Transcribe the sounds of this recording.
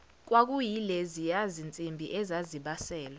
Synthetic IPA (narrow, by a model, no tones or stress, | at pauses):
k̬wak̬ʼujilezijazint͡sʼimbʱiʔɛzaziɓasɛːla